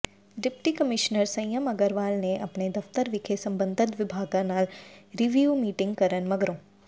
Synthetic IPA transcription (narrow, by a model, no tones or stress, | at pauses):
ɖɪpʈikəmɪʃnəɾsɐ̃jjəmɐɡəɾʋaːlneʔɐpned̪ɐft̪əɾʋɪkʰesɐ̃mbə̃nd̪ʱət̪ʋɪbʱaːɡãnaːlɾiʋjuːmiːʈɪ̃ŋɡ̚kɐɾənmɐɡɾõː